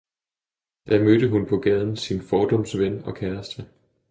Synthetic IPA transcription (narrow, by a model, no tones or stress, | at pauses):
d̥æmød̥əɦunpʰɒ̽ɡ̥ɛːð̞ˠn̩sinfɒːd̥ɒ̽msʋenɒ̽kʰæɐsd̥ʁə